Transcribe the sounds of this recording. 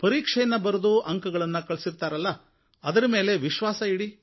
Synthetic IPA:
pɐɾiːkʂɐjɐnːɐbɐɾud̪uʔɐŋkɐɡɐɭɐnːɐkɐɭsiɾt̪aːɾɐlːɐ | ɐd̪ɐɾɐme̞ːle̞ʋiʃʋaːsɐiɽi

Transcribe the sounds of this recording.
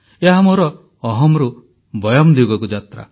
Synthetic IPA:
eɦamoɾɔː | ɦɔmɾu | bɔjɔmd̪iɡɔkud͡ʒat̪ɾa̰

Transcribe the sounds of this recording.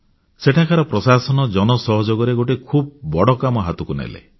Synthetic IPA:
seʈʰakʰaɾɔpɾɔsasɔnɔd͡ʒɔnɔsɔɦɔd͡ʒoɡɔɾeɡoʈikʰub̚bɔɽɔkamɔɦat̪ukunḛlḛ

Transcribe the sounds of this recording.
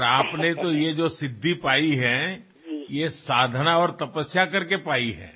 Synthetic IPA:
ɾaːpnet̪ojed͡ʒosɪd̪ʱːipaːiɦɛ | jesaːd̪ʱnaɔːɾt̪ɐpəsjakɐɾkepaːiɦɛ̰ː

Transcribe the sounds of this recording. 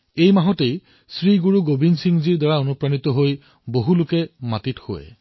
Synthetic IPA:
ejmaɦɔtej | sɹiɡuɹuɡobinsiŋziɹdaɹaonupɹanitɔɦoj | boɦulʊkɛmatitho̰ɛ̰

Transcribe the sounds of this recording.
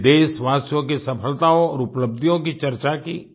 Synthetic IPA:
d̪eːsʋaːsjõk̬esɐpʰəlt̪aõɔːɾʊpləb̚d̪ʱijõk̬it͡ʃɐɾt͡ʃaki

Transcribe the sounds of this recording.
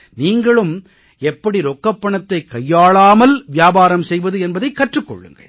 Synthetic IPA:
niːŋɡɐɭɯm | ɛpːɐɽiɾɔkːɐpːɐɳɐt̪ːɐɪkːɐjːaːɭaːmɐlʋɪjaːbaːɾɐmsɛjʋɐðɯɛnbɐðɐɪkːɐʈrɯkːɔ̰ɭːɯ̰ŋɡɐ̰

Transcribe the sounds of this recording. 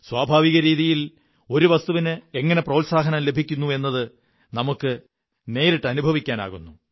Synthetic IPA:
swaːbʱaːʋiɣɐɾiːðijil | o̞ɾuʋɐst̪uʋinɨe̞ŋːɐne̞proːlsaːɦɐnɐmle̞bʱikʲːunːue̞nːɐðɨ | nɐmukːɨ | ne̞ːɾiʈːɨɐnubʱɐʋikʲːaːna̰ːɣunːu

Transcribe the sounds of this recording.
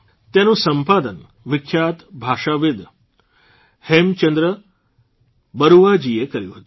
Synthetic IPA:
t̪janũːsəmpaːd̪ən | ʋɪkʰjaːt̪bʱaːʂaʋɪd̪ | hemt͡ʃənd̪ɾə | bəɾuʋad͡ʑiekəɾjuɦət̪ː

